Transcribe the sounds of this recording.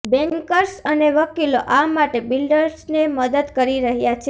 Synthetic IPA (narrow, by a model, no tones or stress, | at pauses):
bɛ̃ŋkəɾsəneʋəkiloʔamaʈebilɖəɾsneməd̪əd̪kəɾiɾəɦjat͡ʃʰe